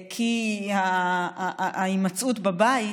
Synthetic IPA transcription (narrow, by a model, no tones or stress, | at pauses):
kʰiha | imat͡sʔutbabai